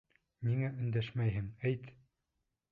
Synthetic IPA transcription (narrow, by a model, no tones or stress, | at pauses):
miŋæɵ̆nd̪æʃmæjɦɘŋæjt̪